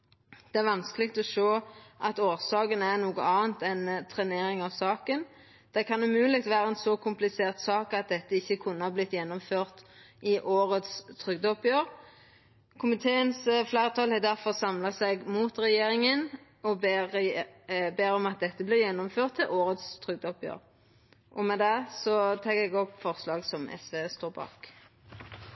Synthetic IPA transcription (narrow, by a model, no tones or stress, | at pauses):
d̪̥ɛæɾʋɑnskəlɪkt̪ɔʃoːʔɑt̪oːʁsɑːkənæʁnuːɡəɑːənt̪ɛnt̪ʰɾɛneːɾɪŋɑʋsɑːkən | d̪̥æɪkʰɑnʉmʉːlɪɡt̪ʋæːʁəɛnsɔkʰʊmplɪseːʁt̪sɑːkɑt̪̚d̪ɛt̪ːəɪçːəkʰʉnːəɑblɪt̪ːjɛnːɔmføːʁt̪ | ʔɪʔoːʁət̪st̪ʰʁʏɡd̪əɔpjøːʁ | kʰʊmɪt̪ʰeːənsflæːɾət̪ʰɑlɛd̪æɾfɔʁsɑmlɑsɛɡmuːt̪ʁɛjeːɾɪŋən | ɔb | beːɾɔmɑt̪̚d̪ɛt̪ːəblɪːjɛnːɔmføːʁt̪ʰːɪlʔoːʁət̪st̪ʰʁʏɡ̚d̪əɔpjø̰ːʁ | ʔɔmɛd̪ɛsɔt̪ʰɑːɡɛɡɔpfɔʁslɑːɡsɔmɛ̰sʋeːst̪oːɾbɑ̰ːk